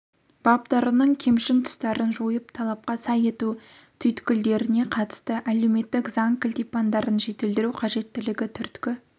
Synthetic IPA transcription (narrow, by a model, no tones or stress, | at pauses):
b̥ɑpt̪ɑɾənəɴkʲʰe̞mʃɪnt̪ʰʊ̥st̪ɑɾənʒojəpt̪ʰɑlˠɑp̚qɑsɑje̞t̪ut̪ʰʏjt̪kʲɪld̪e̞ɾɪne̞qʰɑt̪ə̥st̪əʔæle̞wme̞t̪ːɪkzɑŋkʰɪlʲt̪ijpɑnd̪ɑɾənʒe̞t̪eld̪ɪɾuqʰɑʒe̞t̪ːɪlɪɡʲɪt̪ʰʏɾt̪kʲɪ